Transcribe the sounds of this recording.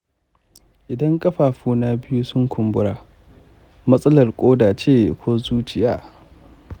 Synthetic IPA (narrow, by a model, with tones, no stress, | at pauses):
ʔɪ˨dɐ˦ŋkʼɐ˦ɸaː˨ɸuː˦na˦bɪ˦ju˦sʊ˦ŋkʷʰʊ˨mbʊ˦ɽaː˨ | mɐ˦sʼɐ˦lɐ˨rkʷʼoː˦daː˨t͡ʃeː˦˨kʷʰoː˦zuː˦t͡ʃɪ˨jaː˦˨